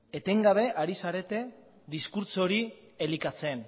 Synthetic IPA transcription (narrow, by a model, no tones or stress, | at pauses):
e̞t̪e̞ŋɡaβ̞e̞ʔaɾisaɾe̞t̪e̞ | ðiskuɾt͡so̞ɾi | e̞likat͡se̞n